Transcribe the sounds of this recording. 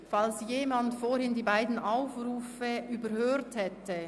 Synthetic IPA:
falsjeːmantfoːɾhɪndiːbaɪdn̩aʊfruːfəʔyːbəɾhøːɾthɛtʰə

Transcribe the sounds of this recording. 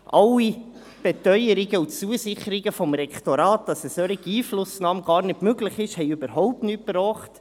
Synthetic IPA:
ʔɑlːi | b̥ɛtœʏjəɾɪɡəut͡suəsɪχəɾɪɡəfɔmɾɛktoɾɑːt̚d̥ɑsɛsœɾiɡiːflʊsnɑːmɡ̥ɑːɾnɪtmøɡlɪχɪʃhɛɪʉbəɾɦɔʊp̚tnyːt̚brɔːχt

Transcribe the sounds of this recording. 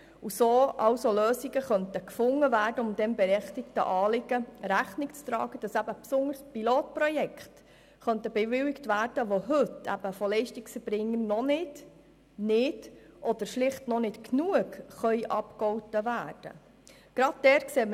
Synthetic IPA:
usoːʔɑwsoløːsiɡəχœntəkfʊŋːəvæːɾdəʊmd̪ɛnbɛɾɛχtɪktə̰ʔɑːlɪɡəɾæχnɪkt͡st̪ɾɑ̰ːɡ̥əd̥ɑsæb̥əpsʊŋdəɾspiloːt̚pɾɔjɛkχt | χœntəbɛvɪwɪktvæːrd̥əʋoɦɵt̪æ̰b̥əfɔlɛɪʃtiksfɛb̥ɾɪŋːəɾnɔnɪd̥ | nɪdʔɔd̥̪əɾʃlɪχtnɔnɪtknuəɡχœʏʔɑpkɔwtəvæːrd̥ə̰ | ɡ̥ɾɑd̚dɛːkseːm

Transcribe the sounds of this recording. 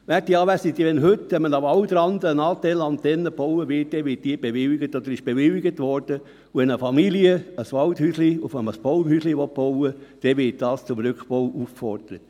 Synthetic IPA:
ʋæːt̚d̥iːɑːʋæsid̪iʋɛnɦøtːʋɛmənɑɑwd̪ɾɑnd̪əənɑːt̪ɛlɑntːɛnːəb̥ɔwəʋɪt̚d̥ɛʋɪːt̚d̥iːb̥eʋɪliɡətɔd̪əɾɪʃb̥eʋɪliɡətʋɔɾd̥ə | uɛnəfɑmiliəəsʋɑlthysliʊfɛnmːəsb̥ɔʊnhysliʋɔt̚b̥ɔwəd̪̥ɛʋɪːt̚d̥ɑːst͡sʊmɾʏkχb̥ɔwʔufkfɔɾd̥əɾət

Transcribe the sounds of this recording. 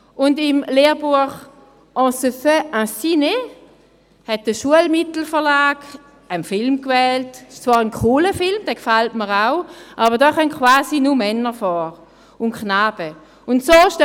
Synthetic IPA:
ʔʊndɪmleːʁbuəχ | ʔɑ̃ːsəføãsine | hɛt̚d̥əʃuəlmɪtl̩fəʁlaːɡ̥ | ənfɪlmkvɛːltɪʃt͡svaːʁənkʰuːləfɪlmd̥ɛkfaltməʁaʊʔaːbədɔːχœmtkʰvaːzinumɛnːəfɔːʁ | ʊntknaːb̥ə | ʊntsoːʃt

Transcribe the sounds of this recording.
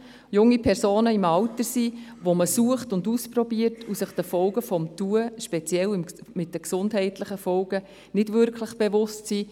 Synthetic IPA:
jʊŋːipʰɛɾsoːnəɪmɑʊtəsiʋoməsuəχtʊnduːsprɔbiəɾtʰusəχd̥əfɔlɡəfɔmtuəʃpet͡sjɛlɪmmɪt̚dəksʊndɦɛɪtləχəfɔlɡ̥ə | nɪdvʏɾkʰləχb̥evʊstsiː

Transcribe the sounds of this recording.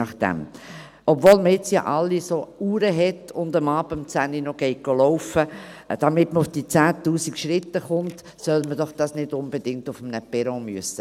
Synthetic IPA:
ɑχd̥̪ɛ̰m | ʔɔbvoːlməɪt͡sjɑ̰ʔɑlːisouːɾəɦɛtʊnd̪əmɑːbəmt͡sæninɔɡ̥ɛɪk̚ɡ̥olɔʊfəd̥ɑmɪtməʊfd̥iːt͡sæːt̪uːsikʃɾɪt̪ːəχʊnt | sœlməd̥ɔχd̥ɑsnɪdʊnbed̥ɪŋtʊfmnəpɛɾomyəsːə

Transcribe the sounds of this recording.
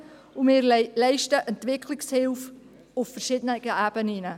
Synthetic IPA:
umɪːɾlɛɪʃtəʔɛntvɪkʰlɪkshɪlf | ʊffəɾʃɪdənəɡəæb̥əninə

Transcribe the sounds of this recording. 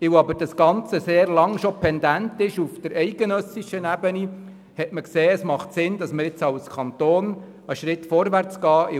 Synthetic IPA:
ɪwɑbəɾd̥ɑsɡ̥ɑnt͡səseːrlɑŋʃopʰɛnd̪æntɪʃufd̥̪əɾɛɪɡənœsiʃənæbəni | hɛtməkseːəsmɑχtsɪndɑsməɾɪt͡sɑwskʰɑnt̪oːn | əʃɾɪtfɔɾʋæɾt͡sɡ̥ɑːɪ

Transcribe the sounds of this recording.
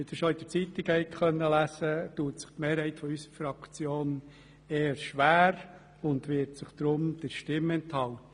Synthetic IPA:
ɪd̥̪ɪʃɔid̥ət͡sit̪ikhɛjkχœnːəlæsətuːətsɪ̥χtmeːɾhɛɪtfɔysəɾfɾɑkt͡sjoːn | eːəɾʃʋæːɾ | ʊnd̪ʋɪɾtsɪχd̪̥ɾʊmd̪̥əɾʃtɪmɛnthɑlt̪ə

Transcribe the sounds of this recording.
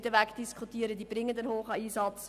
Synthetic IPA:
dəʋækd̥iskʰutiːəɾəd̪iːb̥ɾɪŋːədənhoːχəiːsɑt͡s

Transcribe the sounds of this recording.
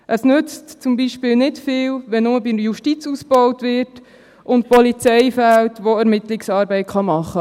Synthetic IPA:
ʔəsnʏt͡stt͡sʊmbiʃpɪlnɪtfɪːlʋɛnʊməbɪjuʃtit͡susb̥ɔwtʋɪrt | ʔʊnt̚pɔlit͡sɛɪfæltʋoæɾmɪtlɪksɑːɾbɛɪtχɑmɑχːə

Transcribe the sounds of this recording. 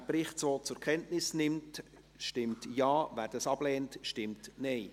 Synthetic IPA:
prɪχtsoːt͡sʊɾkʰɛntnɪsnɪmt | ʃtɪmtjɑːvæːɾd̥ɑsɑb̥lɛːntʃtɪmtnɛɪ

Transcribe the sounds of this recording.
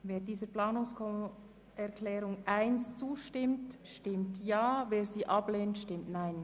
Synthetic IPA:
veːɾdiːzəɾplaːnʊŋskʰɔ | ɛɾklɛːɾʊŋʔaɪnst͡suːʃtɪmtʃtɪmtjaːveːɾziːʔɑbleːntʃtɪmtnaɪn

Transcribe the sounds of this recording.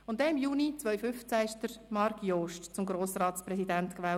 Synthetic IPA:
ʊntdɛnɪmjuːnit͡sʋœʏfʏft͡sæɪʃdəɾmɑɾkʰjoːʃtt͡sʊmɡɾoːsrɑːtt͡sprɛsidæntkʋɛː

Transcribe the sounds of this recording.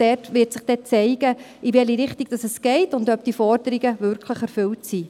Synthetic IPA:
d̥ɛrtʋɪːɾtsɪχd̥ɛt͡sɛɪɡ̥ə | ʔiʋɛliɾɪχtiɡ̥d̥ɑsɛsɡ̥ɛɪtʊndœp̚d̥ifɔɾdəɾiɡəvʏɾkʰləχɛɾfʏltsi

